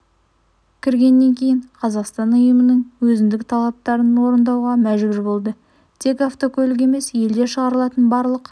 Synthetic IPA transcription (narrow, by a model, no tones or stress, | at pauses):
kʲʰɪɾɡʲe̞nːe̞ŋkʲʰe̞jɪɴqʰɑzɑqst̪ɑnʊjəmənəɴwɵzɪnd̪ɪkt̪ʰɑlˠɑp̚t̪ɑɾənwo̞ɾənd̪ɑwʁɑmæʒbʲɪɾbo̞lˠd̪ə | t̪ʰe̞kɑft̪o̞kʰolɪk̬e̞me̞sje̞ld̪e̞ʃəʁɑɾəlˠɑt̪ənbɑɾlˠəq